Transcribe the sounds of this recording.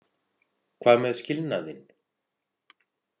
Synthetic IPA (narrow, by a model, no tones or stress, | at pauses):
kʰvaːðmɛðscɪlnaðɪn